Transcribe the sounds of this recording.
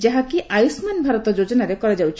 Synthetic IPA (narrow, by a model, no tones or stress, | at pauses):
d͡ʒaɦakiʔajusmanbʱaɾɔt̪ɔd͡ʒod͡ʒɔnaɾekɔɾad͡ʒawt͡ʃʰ